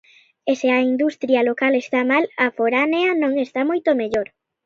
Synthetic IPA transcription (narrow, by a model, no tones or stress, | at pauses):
eseɐind̪ust̪ɾjɐlokalest̪amalɐfoɾaneɐnõŋest̪amojt̪omeʎoɾ